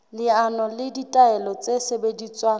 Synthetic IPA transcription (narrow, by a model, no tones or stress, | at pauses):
lɪanɔlɪditʼaɛlɔt͡sʼesebedit͡sʼwaː